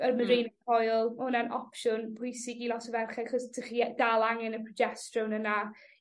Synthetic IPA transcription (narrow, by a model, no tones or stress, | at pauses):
ərməɾejnəkʰɔjlˠʊnanɔ̰pʃʊnpʰʊjsɪɡilˠɔtɔvɛrχɛχɔstʰəχidalˠaŋɛnəpʰrɔd͡ʒɛstrəwnəna